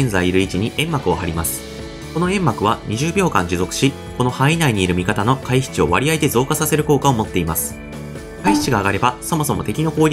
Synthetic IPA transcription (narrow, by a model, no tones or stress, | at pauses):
ẽnzaiiɾɯ̟it͡ɕiɲ̟iʔẽ̞mːakɯ̟oɦaɾʲimasɨ̥ | ko̞no̞ẽ̞mːakɯ̟β̞aɲ̟iʑɨːbʲo̞ːkã̰ɲ̟d͡ʑɨzo̞kɯ̥ɕi | ko̞no̞hainaiɲ̟iːɾɯ̟mʲikat̪ano̞kaiɕi̥t͡ɕio̞βaɾʲiait̪e̞zo̞ːkasase̞ɾɯ̟ko̞ːkao̞mo̞t̪ːe̞imasɨ̥ | kaiçi̥t͡ɕiɡaːɡaɾe̞baso̞mo̞s̬o̞mo̞̰t̪e̞kʲino̞ko̞ː